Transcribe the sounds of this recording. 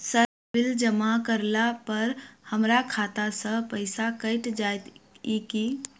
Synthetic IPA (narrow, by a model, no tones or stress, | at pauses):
səɾ | bild͡ʒəmakəɾlapəɾhəmɾakʰat̪asə̃pəɪsakəɪʈd͡ʒajt̪iki